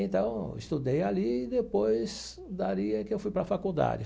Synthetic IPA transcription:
ẽnt̪ɐ̃w̃ɪ̰st̪ud̪ejaliːd̪epojz | d̪aɾiɐkɪewfujpɾɐfakud̪a̰d͡ʒɪ

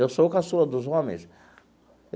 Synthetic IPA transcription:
ewsokasulɐd̪ʊzõmḛ̃j̃s

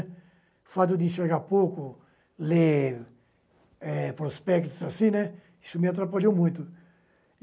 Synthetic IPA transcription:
fat̪̬ʊd̪ɪʃeɣapowkʊ | le | ɛpɾospɛkt̪ʊzasĩnɛ | i̥sʊmɪat̪̬ɾapaʎowmũj̃t̪ʊ

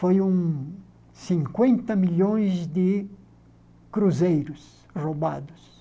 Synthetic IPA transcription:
fojũŋ | sĩŋkwẽnt̪ɐmiʎõj̃zd̪ɪ | kɾuzejɾʊs | roba̰d̪ʊs

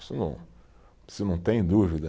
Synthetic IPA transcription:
sɪnɐ̃ | sɪnɐ̃w̃t̪ẽj̃d̪uvid̪ɐ

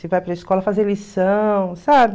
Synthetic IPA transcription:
sevajpɾɐiskɔlɐfazelisɐ̃w̃sabɪ

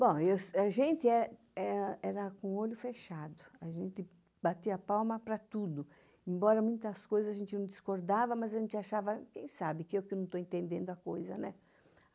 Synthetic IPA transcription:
bõewsaʒẽnt̪ɪɛ | ɛɛɾɐkõoʎʊfeʃad̪ʊaʒẽnt̪ɪ | bat̪iɐapawmɐpɾɐt̪ud̪ʊ | ẽmbɔɾɐmũj̃t̪ɐskojzɐzaʒẽnt̪ɪnɐ̃w̃d̪iskoɾd̪avɐmazaʒẽnt̪ɪaʃavɐkẽj̃sabɪkɪewkɪnɐ̃w̃t̪oẽnt̪ẽnd̪ẽnd̪ʊɐkojzɐnɛ

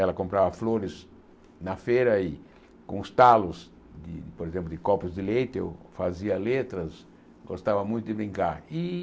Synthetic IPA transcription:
ɛlɐkõmpɾavɐfloɾɪz | nɐfejɾɐi | kõʊst̪alʊz | d̪ɪpoɾezẽmplʊd̪ɪkɔpʊzd̪ɪlejt̪ɪḛwfaziɐlet̪ɾɐs | ɡost̪avɐmũj̃t̪ʊd̪ɪbɾĩŋkaɾi

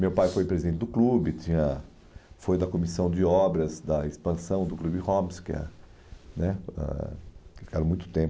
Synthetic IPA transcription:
mewpajfojpɾezid̪ẽnt͡ʃ̪ɪd̪ʊklubɪt͡ʃĩɲɐ | fojd̪ɐkomisɐ̃w̃d͡ʒɪɔbɾɐzd̪ɐespɐ̃sɐ̃w̃d̪ʊklubɪhõmɪskɛ̰ | nɛɛ̰fi̥kaɾɐ̃mũj̃t̪ʊ̥t̪ẽp

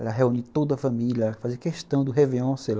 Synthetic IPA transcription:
ɛlɐɦeũnit̪od̪ɐfɐmiliɐfaziɾkeʃt̪ɐ̃w̃d̪ʊɦeviõsel

